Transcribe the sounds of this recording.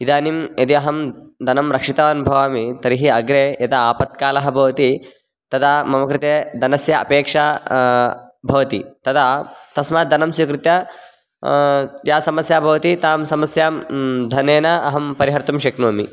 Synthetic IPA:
id̪aːnimjɐd̪iɐɦɐmd̪ʱɐnɐmɾɐkʂit̪ɐʋɐːnubʱɐʋaːmit̪ɐɾiɦiɐɡɾeːjɐt̪ɐaːpɐt̪̚kaːlɐɦɐ̆bʱɐʋɐt̪i | t̪ɐd̪aːmɐmɐkɾɪt̪eːd̪ʱɐnɐsjɐʔɐ̰peːkʂa | bʱɐʋɐt̪it̪ɐd̪aːt̪ɐsmaːt̪̚d̪ʱɐnɐmsukɾɪt̪jɐ | jaːsɐmɐsjaːbʱɐʋɐt̪it̪aːmsɐmɐsjaːmd̪ʱɐneːnɐʔɐɦɐmpɐɾiɦɐɾt̪umʃeknoːmi

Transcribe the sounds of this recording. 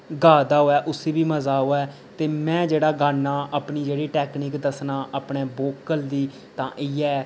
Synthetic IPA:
ɡaːd̪aːɦoːɛːʔʊseːbiːməzaːɦoːɛː | t̪eːmɛ̃ːd͡ʒeːɽaːɡaːnːaːʔəpɳiːd͡ʒeːɽiːʈɛːkniːkd̪əsnaːʔəpɳeːboːkəld̪iː | t̪ãːʔɪːɛː

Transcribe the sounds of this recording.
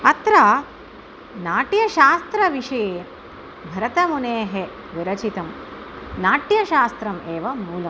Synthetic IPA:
ɐt̪ɾaː | naːʈjɐʃaːst̪ɾɐʋiʂɐjeː | bʱɐɾɐt̪ɐmuneːɦe | ʋiɾɐt͡ʃit̪ɐm | naːʈjɐʃaːst̪ɾɐmeːʋɐmuːlɐm

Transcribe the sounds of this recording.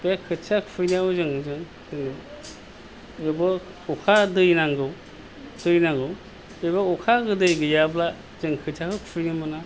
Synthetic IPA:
b̥eakʰɯt͡ʃʰakʰfʰɯjniawzɯŋzɯŋ | zɯŋ | ebɔ | ukʰadɯjnaŋɡɯw | d̥ɯjnaŋɡɯw | bebɔukʰaɡɯdɯjɡɯjabla | zɯŋkʰɯt͡ʃʰakʰɯkʰfʰɯjnimɯna

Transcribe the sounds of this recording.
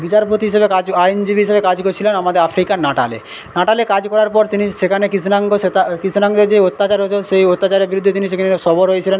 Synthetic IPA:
bit͡ɕaɾpot̪iɦiʃebekad͡ʑajnd͡ʑibiɦiʃebekad͡ʑkoɾt͡ɕʰilenamad̪eɾafɾikanaʈa̰lḛ | naʈalekad͡ʑkɔɾaɾpɔɾt̪iniʃekʰanekisnaŋɡoʃet̪akisnaŋd̪eɾd͡ʑeot̪ːat͡ɕaɾɦoet͡ɕʰeʃejot̪ːat͡ɕaɾeɾbiɾud̪ʱːet̪iniʃekʰaneʃɔboɾɦojet͡ɕʰilen

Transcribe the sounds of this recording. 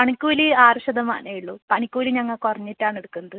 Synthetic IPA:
pɐɳikʲːuːliaːrɐɕɐd̪ɐma̰ːnʔejiɭːuːpɐɳikʲːuːliɲɐŋːɐɭkorɐɲːitːaːɳeɽukːunːɐðɨ

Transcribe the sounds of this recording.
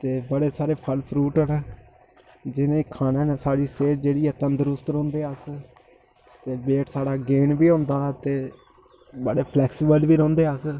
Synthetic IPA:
t̪eːbəɽeːsaːɾeːpʰəlpʰɾuːʈənː | d͡ʒɪnẽːkʰaːnẽːneːsaːɽiːseːd͡ʒeːɽiːɛːt̪ənd̪əɾʊst̪ɾõːnd̪eːəs | t̪eːbeːʈsaːɽaːɡeːnbiːɦõːnd̪aːt̪eː | bəɽeːpʰlɛːksiːbəlʋiːɾõːnd̪eːəs

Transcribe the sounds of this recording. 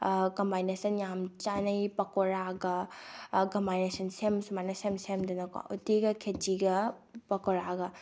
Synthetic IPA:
kɐmbajnesɐnjamt͡ʃanɐjpɐkɔɾaɡɐ | kɐmbajnesɐnsemsumanɐsemsemdɐnɐka̰ʔutiɡɐkʰet͡ʃiɡɐpɐkɔɾaɡɐ

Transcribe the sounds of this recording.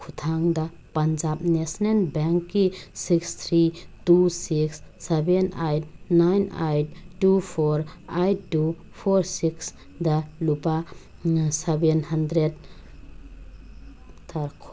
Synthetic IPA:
kʰut̪ʰaŋda | pand͡ʒap̚nesnenbɛŋkːisikst̪ʰɾitusiksːebenajt̚najna̰jt̚tupʰɔɾajtu | pʰɔɾsiks | dalupa | sebenhandɾed | tʰaɾkʰ

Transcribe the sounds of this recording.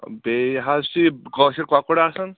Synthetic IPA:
beɦasiɡɔsiɾkakuɽaːsʌn

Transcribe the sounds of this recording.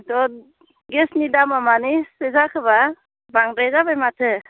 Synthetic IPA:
tɔ | ɡesnidamamanisezakʰɯba | baŋɾejzabajmatʰɯ

